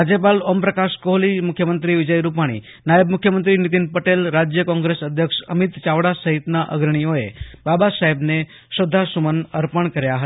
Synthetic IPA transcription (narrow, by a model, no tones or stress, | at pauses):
ad͡ʒəpalompɾəkaʃkoɦlimukʰjəmənt̪ɾiʋɪd͡ʒəjɾupaɽ̃ḭ | najəbmukʰjəmənt̪ɾinit̪̬inpəʈelɾad͡ʒjəkɔ̃ŋɡɾesəd̪ʱjəkʂə̰mit̪t͡ʃaʋɽasəɦit̪naʔə̰ɡɾəɳ̃ijoebabasaɦebne | ʃəd̪ʱːasumənəɾpəɳkəɾjaɦə